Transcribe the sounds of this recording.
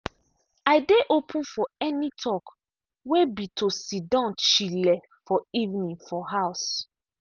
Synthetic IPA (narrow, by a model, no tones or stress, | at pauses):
aɪdeʔopʰũnfɔɛnitʰɔk | webitʰosidɔ̃nt͡ʃilɛ | fɔivnĩŋfɔɦaʊs